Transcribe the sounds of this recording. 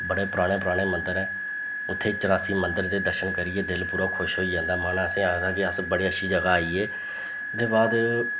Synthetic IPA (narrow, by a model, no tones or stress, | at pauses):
bəɽeːpʊɾaːɽ̃ẽːpʊɾaːɽ̃eːmə̃nd̪əɾɛː | ʊt̪ʰːeːt͡ʃəɾaːsiːmənd̪əɾd̪eːd̪əɾʃənkəɾɪːeːd̪ɪlpuːɾaːkʰʊʃɦoːiːd͡ʒãːnd̪aːmaːnaːəsẽːaːɡd̪aːkɪəsbəɽeːəʃʰiːd͡ʒəɡaːaːiːeː | d̪eːbaːd̪